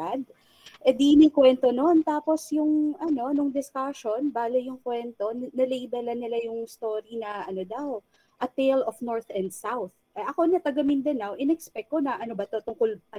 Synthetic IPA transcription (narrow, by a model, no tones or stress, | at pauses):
ad̪̚ | ʔɛd̪inɐjkwɛnt̪o̞no̞nt̪aːpo̞sjʊŋɐno̞nʊŋd̪ɪskaʃo̞nbaːlɐjʊŋkwɛnt̪o̞nnɐlejbɐlɐnɪlajʊŋst̪o̞ːɾinɐʔɐno̞d̪aw | ʔɐt̪ejlofnoɹt̪ɛnd̪sawθ | ʔɛʔɐko̞nɐt̪ɐɡɐmɪnd̪ɐnawʔɪnɛkspɛk̪̚ːo̞nɐʔɐnobɐt̪ot̪ʊŋkolʔɐ